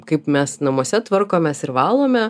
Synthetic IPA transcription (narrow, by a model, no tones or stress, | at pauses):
kɐɪpmʲɛsnɐmuɔsʲɛt̪ʋɐɾkoːmʲɛsɪɾʋɑːlˠoːmʲɛ